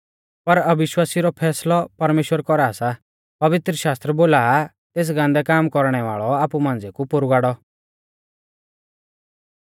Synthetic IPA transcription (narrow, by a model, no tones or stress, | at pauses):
pɐɾɐbɪʃwaːsiɾɔpʰɛːslɔpɐɾmeːʃwəɾkɔɾaːsa | pɐʋɪt̪ɾəʃaːst̪ɾəboːlaː | t̪eːs̬ɡãːnd̪ɛkaːmkɔɾɽ̃ɛʋa̰ːɭɔaːpumãːnd͡zekupʊɾɡaːɽɔ